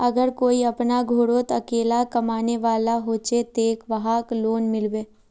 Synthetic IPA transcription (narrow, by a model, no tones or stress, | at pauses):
ɐɡəɾkoːiɐpnaɡʱoːɽoːt̪ɐkeːlakɐmaːneʋaːlaɦoːt͡ʃet̪eːkʋɐɦakloːnmɪlʋeː